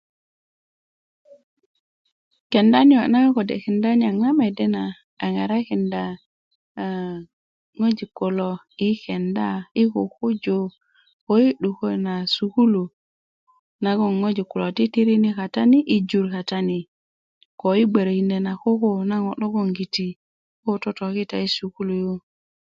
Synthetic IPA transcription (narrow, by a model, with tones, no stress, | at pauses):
ke˨nda˦ni˦o˨na˦ŋ˦ko˨dḛ˨ki˨nda˦n˦a˨ŋna˦me˨de˦naː˨ | ŋa˨ɾa˦ki˨nda˨ | ŋo˦d͡ʒi˨kːo˨lo˨ | i˦ke˨nda˦i˦ko˨ku˦d͡ʒo˨ | ko˦ji˦ɗu˨ko˦jna˨su˨ku˦lu˨ | na˦ɡo˨ŋŋo˦d͡ʒi˨ku˨lo˨ti˦ti˦ɾi˦ni˦ka˨ta˦ni˦ʔi˦d͡ʒu˨ɾka˨ta˦ni˨ | ko˨i˦ɡ͡be˨ɾi˨nde˨na˨ko˦ko˦na˦ɡo˨ɗo˦ɡo˦ŋɡi˨ti˨˦ | ko˦to˦to˨ki˦ta˨i˦su˨ku˦lu˨jo˦